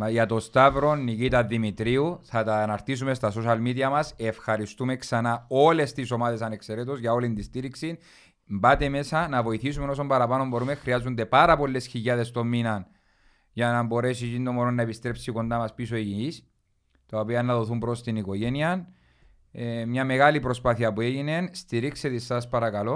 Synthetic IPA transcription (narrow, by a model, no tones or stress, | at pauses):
mɐjɐt̪o̞st̪avɾo̞nːicit̪ɐðimit̪ɾiuθɐt̪aːnɐɾt̪isume̞st̪ɐsoʃɐlmiðiɐmɐse̞fxɐɾist̪ume̞ksɐnao̞le̞st̪iso̞maðe̞s̬ɐne̞kseɾet̪ozʝɐo̞lind̪ist̪iɾiksin | mbat̪e̞me̞sɐnɐvo̞iθisume̞no̞s̬ombɐɾɐpɐno̞mbo̞ɾumexɾiɐzːund̪e̞pɐɾɐpo̞lːe̞sçiʎːɐðe̞st̪o̞mːinɐn | ʝɐnɐmbo̞ɾe̞s̬icind̪omoɾonːɐepist̪ɾe̞psiko̞nd̪amɐspis̬oeʝinis | t̪aopiɐnːɐðo̞θumbɾo̞st̪iniko̞ʝe̞niɐn | mɲɐme̞ɣalipɾo̞spaθiɐpue̞ʝine̞nst̪iɾikset̪esɐspɐɾɐkɐlo̞